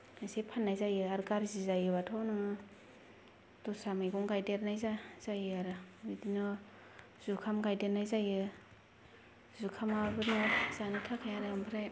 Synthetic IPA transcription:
ajsepʰanːajzajɯaɾɡaɾzizajɯbatʰɔnɯ | tɔsamajɡɔŋɡajdeɾnajzaz̥ajɯaɾɯbidinɔ | z̥ukʰamɡajdeɾnajzajɯ | zukʰamabɯnɔzanɯtʰakʰajaɾɯɯmpʰɯɾaj

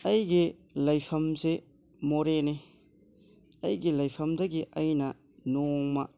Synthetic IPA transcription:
ɐjɡi | lɐjpʰɐmze | moɾene | ɐjɡilɐjpʰɐmdɐɡiʔɐjnɐ | nɔŋma̰

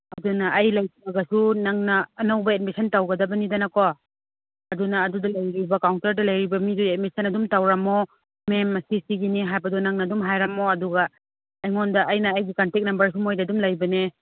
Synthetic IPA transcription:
ɐdunɐʔɐjlɐjinɐɡɐsunaŋnɐːnɐwbɐetmisʰɐntawɡɐdɐbɐnidɐnɐkɔ | ɐdunɐːdudɐlɐjɾibɐkawntɐɾdɐlɐjɾibɐmidudetmisɐnɐdumtawɾɐmo | memːɐsisiɡiniɦajbɐdɔnaŋnɐːdumɦajɾɐmoɐduɡɐː | jŋondɐʔːjnɐːjɡikantek̚nɐmbɐɾsumojdɐdumlajbɐne

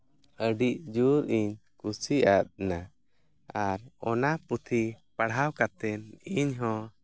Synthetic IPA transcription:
əɖiʔ̚d͡ʒuɾiɲkusiʔat̪̚na | aɾɔnaput̪ʰipaɽawkat̪ɛniɲɦɔ̃

